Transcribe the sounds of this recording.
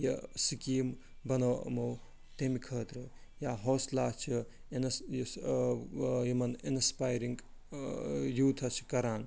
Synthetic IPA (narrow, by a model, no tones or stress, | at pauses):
jɐsikiːm | bɐnɐwɐ̰mow | t̪emikʰɐːt̪ɾɨjaɦoːslaːt͡ʃʰi | ens | jimɐninspaːjɾiŋɡ | juːt̪ʰɐt͡ʃʰi̥kɐɾaːn